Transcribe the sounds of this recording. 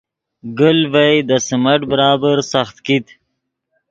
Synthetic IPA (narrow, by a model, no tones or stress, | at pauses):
ɡəlvajd̪əsimaʈbəɾɑːbəɾsaxt̪kit̪